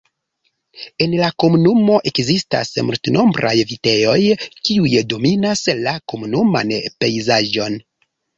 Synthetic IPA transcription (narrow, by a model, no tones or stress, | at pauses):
e̞nlako̞munumo̞ʔe̞kzista̰smṵltno̞mbɾʔa̰jvite̞o̞jkiujdo̞minaslako̞munuma̰npe̞jzaʒo̞n